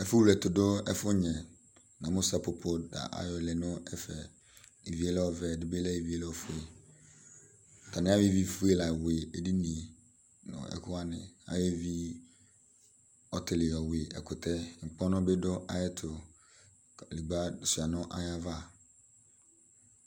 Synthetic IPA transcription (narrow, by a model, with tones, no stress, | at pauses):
ɛ˦fʊ˦wu˨lɛ˨tʊ˨dʊ˦ɛ˦fʊ˦ɲɛ̃˨ | nã˨mʊ̃˦sa˨pʊ˨pʰʊ˦da̰˨ʔa̰˨jɔ˨lɪ˨nʊ̃˦ɛ˦fɛ˨ | i˨vi˨˦ɛ˦lɛ˦ɔ˨vɛ˨dɪ˦be˦lɛ˦i˨vi˦ɛ˦lɛ˦ɔ˦fʊ˦e˨ | tʰa˨nɪ̃˦a˦jɪ˦vi˦fʊ˦e˦la˨we˨e˨di˦nĩ˨ | nʊ̰̃˨ɛ̰˨kʰʊ˦a˦nɪ̰̃˨a̰˨jɛ˦vi˦ | ɔ˨tʰɪ˨lɪ˨ɔ˨we˨ʔɛ̰˨kʰʊ˨tʰɛ˦˨ŋ͡m̩˨k͡pɔ̃˦nʊ̃˦be˦dʊ˦a˦jɛ˦tʰʊ˨ | li˨ɡ͡ba˦sʊ˨a˨nʊ̃˦ʔa˦ja˦va˦˨